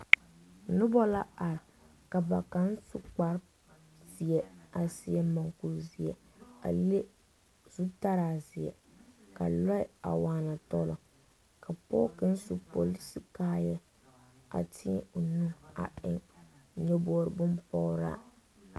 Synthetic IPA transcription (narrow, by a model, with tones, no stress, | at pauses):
nʊ˦bɔ˦la˦a˨ɾɪ˨ | ka˨ba˨ka˦n˦su˦k͡pa˦ɾ | zɪ˨ɛ˦a˨sɪ˨ɛ˨ma˨ŋku˨lzɪ˨ɛ˨ | a̰˨le˦ | z̥u˦ta˦ɾaː˦˨zɪ˨ɛ̰˨ | ka̰˨lɔ˦ɪ˦a̰˨waː˨˦na˨tɔ˦lɔ˨ | kʰa˨pɔ˦kɪ˦n˦su˦po˨li˦si˦kaː˦jɛ˦ | a̰˨tʰɪ˦ʊ˨nũ˦a̰˨ʔɪ˦ŋ˨ɲɔ˦bɔː˦ɾɪ˨bʊ˦mpɔ˦ɾa̰˦